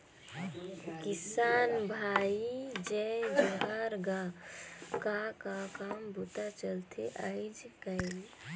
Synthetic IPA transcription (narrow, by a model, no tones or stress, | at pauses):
kisaːnbʱaid͡ʒɛbəɦaɾɡa | kakakambut̪at͡ʃəlt̪ʰeʔəɪd͡ʒkəɪl